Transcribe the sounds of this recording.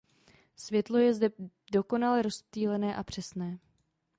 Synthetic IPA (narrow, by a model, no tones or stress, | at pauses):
svjɛt̪lo̞jɛzdɛ | do̞ko̞nalɛɾo̞st̪iːlɛnɛːʔapr̝̥ɛsnɛː